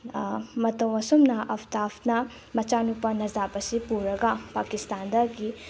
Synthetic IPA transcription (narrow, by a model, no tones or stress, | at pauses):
mɐtɐwɐsumnɐʔɐpʰt̪apʰnɐ | mɐt͡ʃanupɐnɐzapɐsipuɾɐɡɐpakist̪and̪ɐɡi